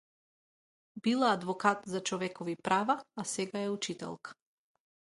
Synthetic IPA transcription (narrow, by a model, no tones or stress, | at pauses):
bilˠaːd̪vɔkat̪zat͡ʃɔvɛkɔvipɾavaːsɛɡaɛut͡ʃit̪ɛ̰lˠkḁ